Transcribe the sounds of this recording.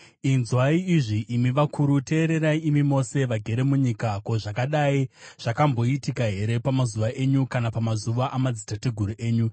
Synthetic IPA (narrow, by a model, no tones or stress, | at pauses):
inzwaiiʐiʔːmiʋakʰuɾute̞ːɾe̞ɾaiimimo̞se̞ʋaɡʱe̞ɾe̞muɲikako̞ʐakaɗaiʐ̥akambo̞itikaɦe̞ɾe̞pamazuʋaʔe̞ɲukanapamazuʋaʔamad͡zitateɡʱuɾuʔe̞ːɲu